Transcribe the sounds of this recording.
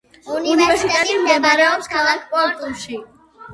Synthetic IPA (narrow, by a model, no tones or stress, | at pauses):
univɾɛst̪ɛt̪imɛbaɾɛɔpskʰavak̚pʼɔt̪ʼulˠʃi